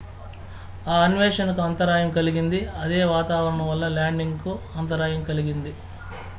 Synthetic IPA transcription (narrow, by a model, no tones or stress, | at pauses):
aːɐnʋeːʂɐnɐkuɐnt̪ɐɾaːjɐmkɐliɡind̪iɐd̪eːʋaːt̪aːʋɐɾɐɳɐmʋɐlːɐlaːɳɖiŋɡku | ɐnt̪ɐɾaːjɐmkɐliɡind̪i